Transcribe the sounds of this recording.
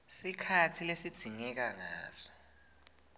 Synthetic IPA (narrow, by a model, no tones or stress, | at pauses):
sikʰatʰilesid̥z̥ʱiŋɛk̬aŋa̰ːzɔ̥